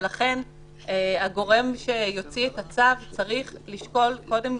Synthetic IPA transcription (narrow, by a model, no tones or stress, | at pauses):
laχe̞n | eaɡo̞ʁe̞mʃe̞jo̞t͡sietat͡savt͡saʁiχliʃko̞lko̞de̞m